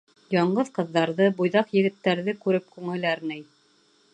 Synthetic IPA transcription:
jɑɴɢɤðqɤ̆ðːɑɾðɤbujðɑqjɘ̆ɡɘ̆t̪ːæɾðɘkʉɾɘp̚kʉŋɘ̆læɾnɘj

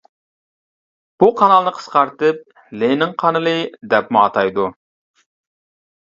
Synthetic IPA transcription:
b̥uqʰɑnɑlˠnɨqʰə̥sqɑɾt̪ɨp̚ | lenɪŋqʰɑnɨlˠɨd̪ɛpmuɑt̪ʰɑjd̪u

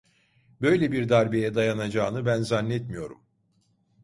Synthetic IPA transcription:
bø̞jlʲebiɾd̪aɾbijɛd̪ajanad͡ʒaːnɯbænzanːɛt̪mijo̞ɾum

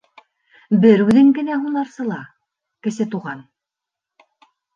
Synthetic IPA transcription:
bɘɾʉðɘ̆ŋkɘ̆næɦunɑɾsɤ̆lˠɑ | kɘ̆sɘt̪uʁɑn

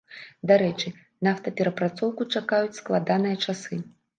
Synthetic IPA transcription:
d̪aɾɛt͡ʂɨ | naft̪ɐpʲɛɾɐpɾat̪sɔwkut͡ʂakajut͡sʲsklˠad̪anɨjɐt͡ʂasɨ

